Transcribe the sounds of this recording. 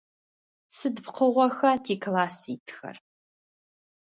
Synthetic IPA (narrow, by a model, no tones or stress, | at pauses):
sɨdpqʰəʁʷɔxɐtʰiːklaːsiːtʰxɐ̰r